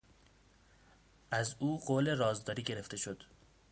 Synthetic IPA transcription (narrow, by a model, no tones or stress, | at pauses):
ʔæzuːɢoːle̞rɒːzd̪ɒːɾiːɟe̞ɾe̞ft̪e̞ʃo̞d̪̥